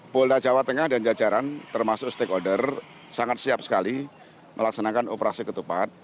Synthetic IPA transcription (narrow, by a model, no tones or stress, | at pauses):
poldad͡ʒawat̪əŋahdand͡ʒad͡ʒaɾant̪ərmasʊkst̪ekodər | saŋat̪̚siap̚sə̥kali | mʔəlak̚sanakano̰pəɾasikət̪upa̰t̪̚